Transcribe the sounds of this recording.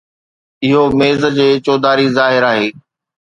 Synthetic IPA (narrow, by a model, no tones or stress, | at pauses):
ɪɦomeːzəd͡ʑeːt͡ɕoːd̪aːɾizaːɦɪɾaːɦeː